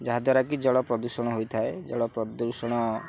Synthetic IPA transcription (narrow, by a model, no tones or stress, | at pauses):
d͡ʒaɦad̪waɾakid͡ʒɔɽɔpɾɔd̪uɾsɔɽ̃ɔɦojt̪ʰaed͡ʒɔɽɔpɾɔd̪uɾsɔɽ̃ɔ